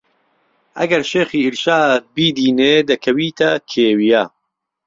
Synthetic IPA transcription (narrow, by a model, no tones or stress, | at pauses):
ʔɐ̰ɡɐɾʃeːxiːiɾʃaːbiːd̪iːneːd̪ɐkʰɐwiːt̪ʰɐkʰeːwija